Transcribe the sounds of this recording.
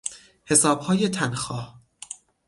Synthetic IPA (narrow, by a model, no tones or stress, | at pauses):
he̞sɒːb̥hɒːjet̪ʰænxɒːh